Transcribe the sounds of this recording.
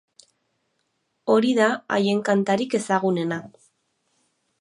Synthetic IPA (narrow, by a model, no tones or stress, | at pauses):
o̞ɾiðaa̰je̞ŋkant̪aɾike̞saɣune̞na